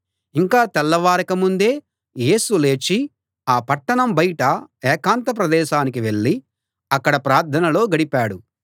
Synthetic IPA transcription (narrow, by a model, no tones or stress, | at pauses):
iŋkaːt̪ɛlːɐʋaːɾɐkɐmund̪e̞ː | je̞ːsule̞ːt͡ʃi | aːpɐʈːɐɳɐmbɐjʈɐɛːkaːnt̪ɐp̬ɾɐd̪ɛːʃaːnikiʋe̞ɭːi | ɐkːɐɽɐpɾaːɾt̪ʰːɐnɐlo̞ːɡɐɽipaːɽu